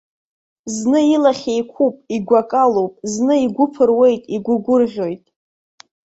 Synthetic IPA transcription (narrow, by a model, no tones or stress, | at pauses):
znɨilaχʲejkʷʰupʼiɡʷakʼalowpʼznɨiɡʷʊpʰɨrwe̞jtʼiɡʷʊɡʷʊrʁʲo̞jtʼ